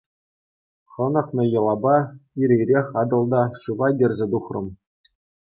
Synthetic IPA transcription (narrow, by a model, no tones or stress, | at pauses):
χɤ̆nɤ̆χnɤ̆jɤ̆lˠɑbɑiɾʲejrʲexʲɑd̪ɤ̆lˠd̪ɑʂɯʋɑdʲɘ̆rʲzʲĕd̪uχrɤ̰̆m